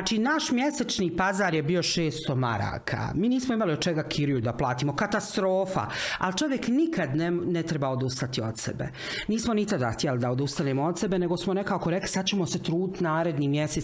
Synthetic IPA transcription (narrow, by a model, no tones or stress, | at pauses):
t͡ʃinaːʃmjeset͡ʃniːpazaːɾjebiːo̞ʃeːst̪oma̰ɾa̰ːkʰa̰miːniːsmoimaliod̪̚t͡ʃeɡakʰiɾujud̪aplˠaːt̪iːmo̞kat̪ast̪ɾo̞ːfa̰alt͡ʃo̞ʋjeknikʰad̪nenet̪ɾebaod̪ust̪at̪iot̪sḛbḛ | niːsmonit̪ad̪axt̪ijelid̪aod̪ust̪aneːmoo̞d̪se̞bene̞ɡosmone̞kaokoɾe̞kli̥sad̪t͡ɕe̞mo̞set̪ɾuːd̪it̪naːɾe̞d̪niːmjese